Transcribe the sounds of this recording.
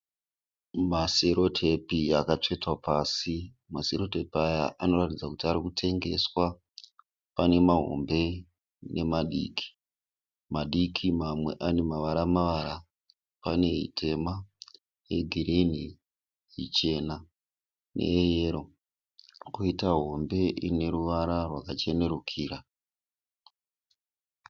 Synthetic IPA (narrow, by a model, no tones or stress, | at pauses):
maseɾo̞tʰe̞piakat͡ʂe̞twapasi | maseɾo̞te̞paja̰ʔano̞ratid͡zakutiaɾikutʰe̞ŋɡe̞swa | pane̞maɦo̞̰mbe̞ | ne̞maɗḭːkʰi̥ | maɗikʰimamwe̞ʔane̞maʋaɾamaʋaɾa | pane̞ɦḭtʰe̞ma | je̞ɡʱiɾeni | ɦḭt͡ʃe̞na | nʔe̞̰ːjeːɾo̞ | kuitaɦo̞mbe̞ʔine̞ɾuʋaɾarwakat͡ʃe̞ne̞ɾukʰiːɾa